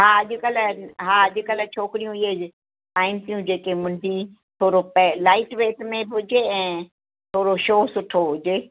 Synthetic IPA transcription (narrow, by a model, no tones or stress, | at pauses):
ɦaːɐʄʊkəlɦaːɐʄʊkəlt͡ɕʰoːkɪɾijũɪɦe | saːɪmsijũd͡ʑeːkemʊ̃nɖʱĩ | t̪ʰoːɾopɛlaːɪʈʋeːtmẽbʊd͡ʒeɛ̃ː | t̪ʰoːɾoʃoːsʊʈʰoɦʊd͡ʑeː